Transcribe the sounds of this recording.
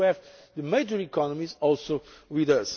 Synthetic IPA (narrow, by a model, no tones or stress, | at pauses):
ɛvd̪əmeɪd͡ʒəɹikɔnɔmizɔlˠsowiðəs